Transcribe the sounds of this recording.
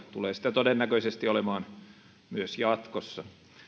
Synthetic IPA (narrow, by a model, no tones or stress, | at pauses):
t̪uleːsi̥t̪æt̪odenːækøisest̪iolemɑːn | myøsjɑt̪kosːɑ